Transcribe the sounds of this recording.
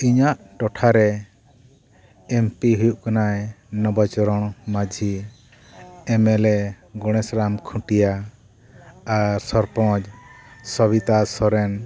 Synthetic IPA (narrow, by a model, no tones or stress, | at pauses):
iɲaʔ | ʈɔʈʰaɾɛ | mpiɦujuʔkanajnɔbat͡ʃɔɾɔɽ̃mad͡ʒʱi | ɛmɛlɛ | ɡɔɽ̃ɛsɾamkʰũʈija | ɾsɔɾpɔ̃d͡ʒsɔbit̪asɔɾɛn